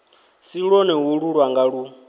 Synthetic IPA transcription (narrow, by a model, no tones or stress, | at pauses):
siɺɔnɛɦuɺuɺwaŋɡaɺu